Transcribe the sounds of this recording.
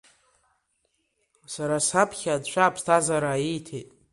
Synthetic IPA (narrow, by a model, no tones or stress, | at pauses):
saɾasapʰχʲadʃʷʰaːpʰstʰazaɾajijtʰḛtʼ